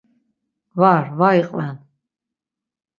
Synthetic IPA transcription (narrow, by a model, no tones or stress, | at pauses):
vaɾvaiqʼlɛn